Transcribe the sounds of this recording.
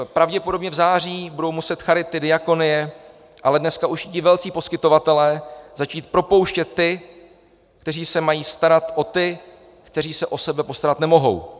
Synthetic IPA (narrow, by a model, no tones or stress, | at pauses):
pɾavɟɛpo̞do̞bɲɛvzaːr̝iːbudo̞wmusɛt̪xaɾɪt̪ːɪdɪjako̞nɪjɛ | ʔalɛdnɛskaʔuʃɪcɪvɛlt͡siːpo̞skɪt̪ovat̪ɛlɛːzat͡ʃiːt̪̚pɾo̞po̞wʃcɛt̪ːɪ | kt̪ɛr̝iːsɛmajiːst̪aɾat̪ʔo̞t̪ɪ | kt̪ɛr̝iːsɛʔo̞sɛbɛpo̞st̪aɾat̪nɛmo̞ɦo̞̰w